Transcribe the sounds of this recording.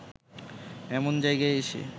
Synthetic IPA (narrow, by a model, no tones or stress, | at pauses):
ɛmond͡ʑajɡaeeʃḛ